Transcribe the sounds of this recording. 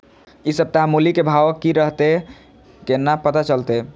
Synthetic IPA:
isəb̚t̪əɦãmulikebʱaʋəkːiɾəɦt̪e | kenːapət̪at͡ʃəlt̪e

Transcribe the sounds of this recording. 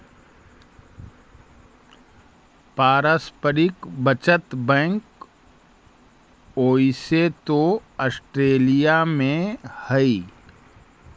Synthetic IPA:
paːɾaspəɾɪkbət͡ʃət̪bɛ̃ŋk | oːiset̪oɔsʈɾeːlijamẽhəi

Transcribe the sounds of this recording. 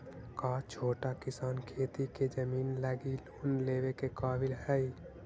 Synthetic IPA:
kaːt͡ʃʰoːʈakisaːnkʰet̪itked͡ʒəmiːnlaɡiloːnlebekekaːbilɦəj

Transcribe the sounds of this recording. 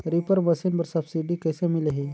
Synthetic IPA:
ɾipəɾbəsinbəɾsəbsiɖikəjsəmileɦi

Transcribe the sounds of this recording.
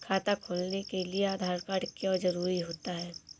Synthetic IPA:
kʰaːt̪akʰoːlnekelieaːd̪ʱaːɾkaːɽkjɔzɐɾuːɾiɦoːt̪aɦɛː

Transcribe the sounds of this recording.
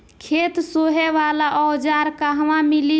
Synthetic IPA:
kʰet̪soɦɛʋalaʔɔd͡ʒaɾkaɦʋãmili

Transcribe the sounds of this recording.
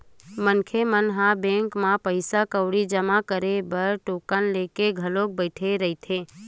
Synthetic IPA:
mənkʰemənɦãbẽŋkmãpəɪsakəʊɽid͡ʒəmakəɾebəɾʈoːkənlekeɡʱəlok̚bəɪʈʰeɾəɦɪt̪ʰe

